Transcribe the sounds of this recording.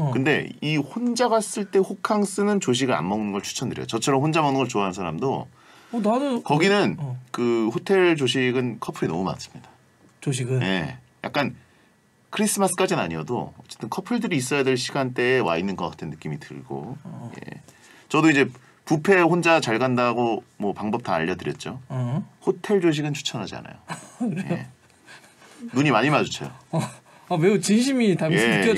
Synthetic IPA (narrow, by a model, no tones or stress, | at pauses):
kɯnde̞̰ihond͡ʑaɡas͈ɯɭt͈e̞hokʰaŋs͈ɯnɯnt͡ɕoɕ̬ʰiɡɯɭa̰mmʌŋunnɡʌɭt͡ɕʰu̥t͡ɕʰʌndɯɾj̰jot͡ɕʌt͡ɕʰʌɾʌmhond͡ʑamʌŋnɯnŋɡʌɭt͡ɕoaɦansʰaɾa̰mdo | nadokʌɡinɯnkɯhotʰe̞ɭt͡ɕoɕ̬ʰiɡɯnkʰʌpʰɯɾinʌ̰muma̰nas͈ɯ̥mɲida | t͡ɕoɕɡɯje̞̰ | ja̰k͈an | kʰɯɾis͈ʰɯmas͈ʰɯ̥k͈ad͡ʑina̰ɲijʌdo̰ʌt͡ɕ͈et͈ɯnkʰʌpʰɯɭdɯɾiːs̬͈ʌjadeɭɕʰiɡant͈e̞ːwa̰inːɯnɡʌk͈atʰɯnːɯk͈imitɯ̰ɭɡ̥o̰jḛ | t͡ɕʌdoiɲd͡ʑe̞ | pupʰe̞hond͡ʑat͡ɕaɭɡandaɡomwʌpaŋbʌp̚tʰa̰ːʎːʌdɯɾjʌt̚t͡ɕ͈ohotʰe̞ɭd͡ʑoɕ̬ʰiɡɯnt͡ɕʰu̥t͡ɕʰʌnɦad͡ʑia̰na̰jojḛ | nuɲimaɲimad͡ʑot͡ɕʰajo | ameut͡ɕinɕʰimitaje̞